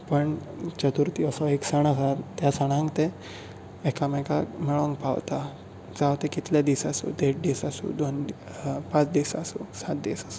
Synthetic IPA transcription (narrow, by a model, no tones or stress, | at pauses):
pəɳ | t͡ɕət̪uɾt̪iəsɔeksəɳ̃asat̪jasaɽ̃ãŋkt̪eː | kamɛkamɛɭɔŋɡpawt̪a | d͡zaʋt̪ekit̪ljad̪isasṵd̪eʈ̚d̪isasṵd̪on | pãt͡sd̪isasusat̪̚d̪isasu̥